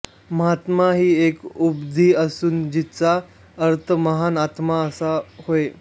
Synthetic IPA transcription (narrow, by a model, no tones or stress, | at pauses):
məɦat̪maɦiːekubd̪ʱiːəsuːnd͡ʑit͡sa | əɾt̪ʰəməɦanat̪maəsahoe